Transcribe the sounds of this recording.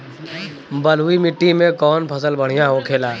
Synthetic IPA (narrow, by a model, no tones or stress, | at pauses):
bəl̤uimɪʈːimẽkɔːnpʰəsəlbəɽ̤ijãɦokʰeːlaː